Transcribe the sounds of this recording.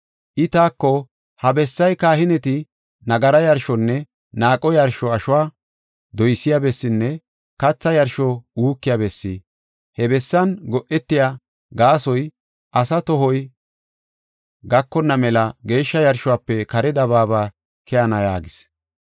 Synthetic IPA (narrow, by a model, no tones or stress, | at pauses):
ʔɪt̪aːkːɔ | hɐbɛsːɐjkaːhɪnɛt̪ɪ | nɐɡɐɾɐjɐɾʃɔnːɛ | naːkʼɔjɐɾʃɔɐʃʊwaː | d̪ɔjsːɪjabɛsːɪnːɛ | kɐt͡sːɐjɐɾʃɔuːkːɪjabɛsːi | hɛbɛsːɐnɡɔʔɛt̪ːɪjaː | ɡaːsɔj | ʔɐsɐt̪ɔɦɔj | ɡɐkːɔnːɐmɛlɐɡe̞ːʃːɐjɐɾʃʊwaːpːɛkɐɾɛd̪ɐβaːbaː | kʰɛɐnɐja̰ːɡɪs